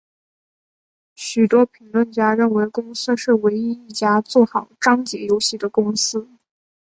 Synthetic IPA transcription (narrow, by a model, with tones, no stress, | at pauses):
ɕy˨˩t̪wɔ˥pʰi˧˥ŋlwə˥˩nt͡ɕja˥ɻə˥˩nwe˧˥ɪkʊ˥ŋsɹ̩˥ʂɻ̩˥˩we˧˥ɪi˥i˥˩t͡ɕja˥t͡swɔ˥˩xɑ˨˩ʊʈ͡ʂɑ˥ŋt͡ɕjɛ˧˥jo˥ʊɕi˥˩d̪ə˩kʊ˥ŋsɹ̩˥